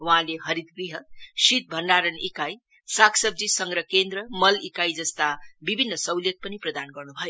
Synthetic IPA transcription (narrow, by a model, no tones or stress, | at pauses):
waɦãleɦʌɾid̪̚ɡɾiɦʌsit̪̚bʱʌnɖaɾʌnikaj | sakʰsʌb̚d͡zisʌŋɡɾʌkend̪rʌmʌlikajd͡zʌst̪abibʱinːʌsʌwljek̚pʌniprʌd̪anɡʌrnubʱʌjo